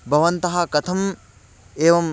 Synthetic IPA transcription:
bʱɐʋɐnt̪ɐɦɐkɐt̪ʰɐm | eːʋɐm

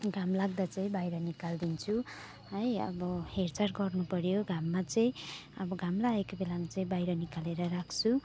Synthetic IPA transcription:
ɡʱamlaɡd̪at͡sʌĩbajɾʌnikald̪int͡sʰu | ɦʌjʌ̰bʌhert͡sarɡʌrnupʌɾjoɡʱamːat͡sʌĩʌbʌɡʱamlaekobelamat͡saĩbajɾʌnikaleɾʌɾakʰt͡sʰu

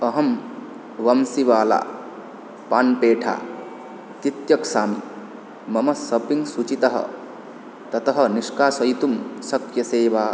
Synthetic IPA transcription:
ɐɦɐm | ʋɐmsiʋaːla̰ː | paːnpeːʈʰa̰ː | t̪it̪jɐksaːmḭ | mɐmɐsɐpiŋsut͡ʃit̪ɐɦɐ̰ | t̪ɐt̪ɐɦɐ̆niʃkaːsɐjt̪umsɐkjɐseːʋaː

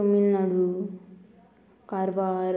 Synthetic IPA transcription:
omːinːaɽu | kaɾbaɾ

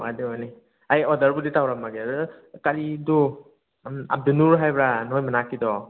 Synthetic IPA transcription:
wadeɔjni | ajɔdɐɾbuditawɾamaɡeadkaɾidu | a̰b̚dunuɾɦajbɾanɔjmanakidɔ

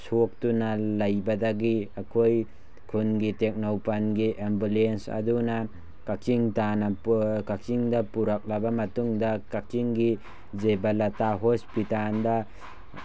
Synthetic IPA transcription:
sok̚tunalajbadaɡiakʰoj | kʰunɡitek̚nawpanɡiʔembulensa̰duna | kakiŋtanakakt͡ʃiŋdapuɾak̚labamatuŋdakakiŋɡi | zebalataɦospitanda

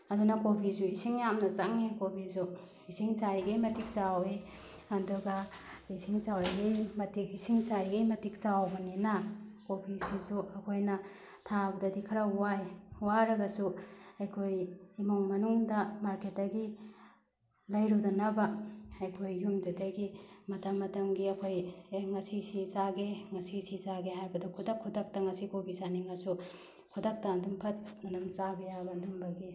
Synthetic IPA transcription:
ɐdunɐkobʰizuisiŋjamnɐzaŋekobʰizu | isiŋsajɡajmɐtik̚sawe | adɔɡaisiŋsawajɡajmɐtikisiŋsaɾiɡajmɐtik̚sawbɐninakopʰisizuɐkʰojnɐ | tʰabɐdɐdikʰɐɾawajwaɾɐɡɐsuajkʰojimoŋmɐnuŋdɐmaɾket̚ːɐɡi | lɐjɾudɐnɐbɐɐjkʰojːumdutɐjɡimɐtɐmːɐtɐmɡiɐkʰojeŋɐsisizaɡeŋɐsisizaɡeɦaɾbɐdɐkʰudɐkʰːudɐk̚tɐŋɐsikopʰisaniŋɐsu | kʰudɐk̚tɐːndumpʰɐt̚ɐndumsabɐjabɐndumbɐɡi

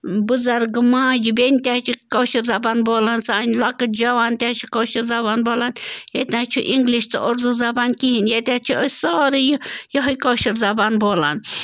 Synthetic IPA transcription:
bɨzɐɾɡmãːd͡ʒibenʲt̪ʲaːt͡ʃʰikoʃiɾzɐbaːnboːlansaːnʲlɐkɨd͡ʒɐʋaːnt̪ʲaːt͡ʃʰikoːʃiɾzɐbaːnboːlanjet̪ʲãːt͡ʃʰuʔiŋɡliʃt͡s̪ɨ̰ʔoɾzuzɐbaːnkiɦinjet̪ʲãt͡ʃʰiəsʲsɔːɾijjɐɦɐjkoːʃiɾzɐbaːnboːla̰n

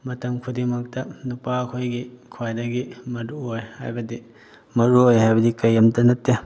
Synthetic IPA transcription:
mɐtɐmkʰudimɐk̚tɐnupakʰojɡikʰwajdɐɡimɐduojha̰jbɐdi | mɐɾuojɦajbɐdikɐjːɐmtɐnɐtːe

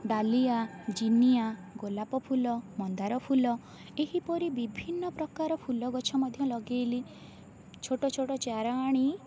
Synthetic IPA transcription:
ɖaliad͡ʒiniaɡolapɔpʰulɔmɔnd̪aɾɔpʰulɔ | eɦipɔɾibibʱinːɔpɾɔkaɾɔpʰulɔɡɔt͡ʃʰɔmɔd̪ʱjɔlɔɡeːli | t͡ʃʰoʈɔt͡ʃʰoʈɔt͡ʃaɾaːɽ̃i

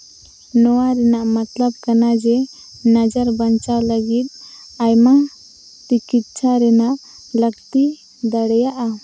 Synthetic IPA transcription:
nɔwaɾɛnaʔmat̪ləb̚kanad͡ʒɛ | nad͡ʒaɾbəɲt͡ʃawləɡit̪̚ | ajma | t͡ʃikit̪̚t͡ʃʰaɾɛnaʔ | ləɡt̪i | d̪aɽɛjaʔa

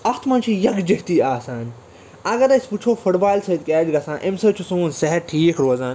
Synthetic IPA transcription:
ɐxt̪ʰmɐ̃nt͡ʃʰijɐɡd͡ʒɐt̪iːaːsaːn | ɐɡɐɾɐsʲput͡ʃʰoːfʊʈbaːjlsɐd̪̚kɛːd͡ʒɡɐsãːʔemsɐt͡ʃʰusũːnsɐɦɐɾʈʰiːkʰɾoːzaːn

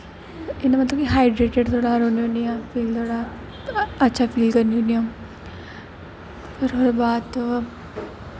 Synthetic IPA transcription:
ɪnamɐt̪ləbkiɦaːɪɖɾeːʈeɖt̪ʰoːɽaɾoːnioniãfʰiːlt̪ʰoːɽa | ɐtːʃʰapʰiːlkɐɾnioniõ | pɐɾɦoɾbaːd̪t̪ː

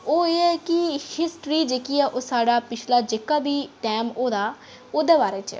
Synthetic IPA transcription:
oːeːɛːkɪhɪsʈɾiːd͡ʒeːkiːɛːʔoːsaːɖaːpɪt͡ʃʰlaːd͡ʒekaːbiːʈɛːmoːd̪aː | oːd̪eːbaːɾeːt͡ʃ

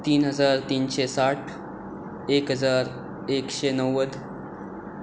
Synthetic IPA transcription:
t̪iːnɦəd͡zaɾt̪iːnɕesaʈʰ | ekɦəd͡zaɾ | ekɕenəʋəd̪

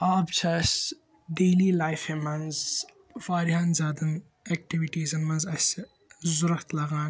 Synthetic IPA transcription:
aːbt͡ʃʰɐs | ɖeːliːlaːjfemɐnz | faːɾjãːnzaːd̪ɐn | ek̚ʈiʋiʈiːzɐnmɐnzɐse | zuɾɐkt̪lɐɡãːn

